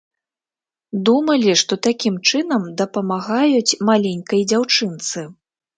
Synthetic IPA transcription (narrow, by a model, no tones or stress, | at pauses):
d̪umɐlʲiʂt̪ɔt̪akʲimt͡ʂɨnɐmd̪ɐpɐmaɣajut͡sʲmalʲenʲkɐjd͡zʲawt͡ʂɨnt̪sɨ